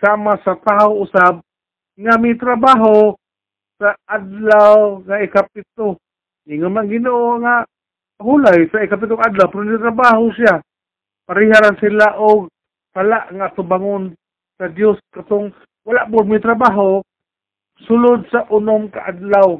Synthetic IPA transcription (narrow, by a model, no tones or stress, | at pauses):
samasat̪aʊʊsab̚ | ŋamit̪ɾabaɦo | saad̪lawŋaɪkap̚ɪt̪o | ʔiŋʊnmaŋɡɪnuʔoŋaʔ | ɦulajsaɪkap̬ɪt̪̬ʊŋadlawpɪɾonnit̪̬ɾabaɦʊsia | paɾɪɦaɾansilaʔʊɡ̚ | salaʔŋaat̪ʊbaŋʊn | sadjoskat̪ʊŋ | walaʔbʊdmit̪ɾabaɦo | sʊlʊd̪̚saʔʊnʊmkaʔadlaw